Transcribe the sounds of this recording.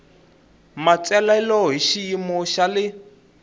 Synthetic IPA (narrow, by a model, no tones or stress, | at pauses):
mat͡sɛlaɛlɔɦiʃijimɔʃalɪ